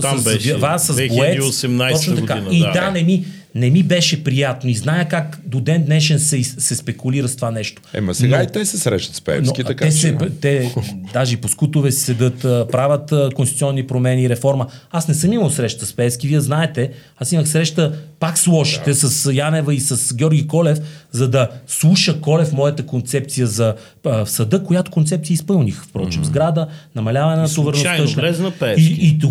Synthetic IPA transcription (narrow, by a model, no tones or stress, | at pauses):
ɛvasɐzɛoɛosɛmnaj̪ɔt͡ʃnot̪ɐɡkaiid̪anɛmi | nɛmibɛʃɛpɾijat̪noiznajəkakd̪od̪ɛnd̪nɛʃɛnsɛsɛspɛkuliɾəst̪vanɛʃt̪o̥ɛ̰mɐsɛɡait̪ɛsɛsɾɛ̰ʃt̪ət̪spɛ̰nskiɐtkaɛsɛt̪ɛd̪aʒɛiposkut̪ʊvɛssɛd̪ɤt̪əpɾavʲət̪əkonst̪it̪siɔnːipɾomɛniːɾɛfɔɾməasnɛsɤmiməlˠsɾɛʃt̪əspɛskiviɛznaɛt̪ɛ | asiməxsɾɛʃt̪əpakslˠɔʃi̥t̪ɛsɐsjanɛvəisɐsɡʲɔɾɡʲikɔlɛfzɐd̪ɐslˠuʃəkɔlɛfmɔjət̪əkont̪sɛp̚t̪sijəzɐ | fsɐd̪ɤkojat̪ʊ̥kont̪sɛp̚t̪iəispɤlˠnixfpɾɔ̰t͡ʃizɡɾad̪ənɐmɐlʲavɐnɛnɐt̪ʊvəɾnoənɛznɐpɛiit̪